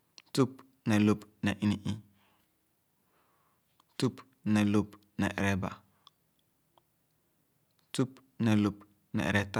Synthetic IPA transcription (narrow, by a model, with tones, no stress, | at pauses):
tu˦p̚ | nɛ˨lu˦pnɛ˨ʔi˦ni˦ʔi˦ | tu˦p | nɛ˨lu˦˨p | nɛ̰˨ʔɾɛ˦ba̰˨ | tu˦p | nɛ˨lu˨p | nɛ̰˨ɾɛ˦ta˦